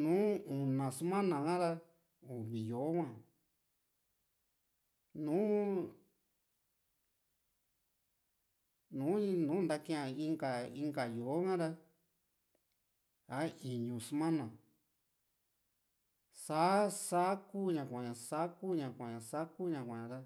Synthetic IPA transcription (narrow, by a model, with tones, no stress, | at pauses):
nũː˨˦u˨nã˨su˦mã˦nã˨kã˦ɾa˦ | u˨βi˨jo˨˦kʷã˦˨ | nũː˨˦ | nũː˨˦nũ˨˦nd̪a˧kĩ˦ã˧˨i˦˧ŋɡa˨i˧ŋɡa˨jo˨o˦kã˦ɾa˦ | a˨˦i˨ɲũ˧su˦mã˦nã˨ | sa˦sa˦ku˦ɲã˧˨kʷã˨ɲã˨sa˦ku˦ɲã˧˨kʷã˨ɲã˨sa˦ku˦ɲã˧˨kʷã˨ã˨˧ɾa˦